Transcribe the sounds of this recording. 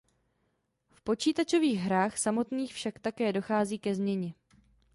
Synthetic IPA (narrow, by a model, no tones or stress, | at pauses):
fpo̞t͡ʃiːt̪at͡ʃo̞viːɣɦɾaːxsamo̞t̪niːxfʃakt̪akɛːdo̞xaːziːkɛzmɲɛɲɛ